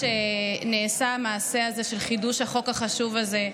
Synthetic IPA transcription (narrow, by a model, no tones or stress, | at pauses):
eneːsaːmaːse̞aze̞ʃe̞lχiduʃhaχo̞kaχaʃuvalze